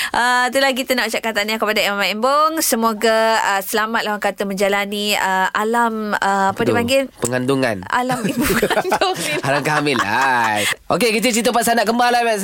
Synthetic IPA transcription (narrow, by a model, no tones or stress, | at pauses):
ʔət̪̬ulahkit̪ənaʔut͡ʃaʔkant̪anakəpadaimamaʔimboŋsəmoɡaəsəlamat̪̚lawaŋkat̪əməɲd͡ʒalaniəalaməappədipaŋɡɪnpəŋanduŋa̰na̰lamibuknd̪uhalamkaamɪla̰ | ʔokekit̪ət͡ʃit̪̬əpas̬anaʔkəmbalabɛʔ